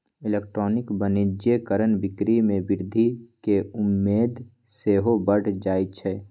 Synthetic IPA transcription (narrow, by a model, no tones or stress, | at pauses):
ɪleːk̚ʈɾɔːnɪkbənid͡ʒekəɾənbɪkɾimẽbɪɾd̪ʱikeʊmːeːd̪ | seːɦobəɽ̤d͡ʒaːit͡ʃʰɛː